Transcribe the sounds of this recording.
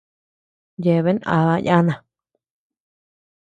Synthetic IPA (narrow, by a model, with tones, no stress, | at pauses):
je˨βe˦nʔa̰˧˨βa˧ja˦nã˨